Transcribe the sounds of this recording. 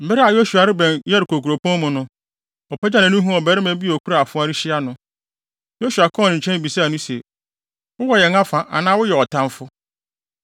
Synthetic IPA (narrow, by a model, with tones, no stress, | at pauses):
m̩˨bɪ˦ɾa˨jo˦su˨a˨ɾɪ˦bɛ̃˨njɛ˦ɾɪ˨kʰo˨ku˨ɾo˨pʰɔ̃˦mʊ̃˨nʊ̃˦ | ɔ˨pʰɛ˦d͡ʑa˦nã˨nʊ̃˦ɦũ˦ɔ˨bɛ˦ɾɪ˦mɛ̃˦bi˦˨ɔ˨kʰu˦ɾa˨a˨fʊ̃˦a˦ɾi˦ɕɪ˦a˦nʊ̃˨ | jo˦su˨a˨kʰɔ̃˦˨nɪ̃˨ɲ̩˨t͡ɕʰɛ̃˦n˦bi˨saː˦˨nʊ̃˦sɛ˨ | wʊ˦wɔ˨jɛ˨ŋa˦fã˨ʔa̰˨nãː˦wʊ˦jɛ˨ɔ˨tʰã˨m˦fʊ˦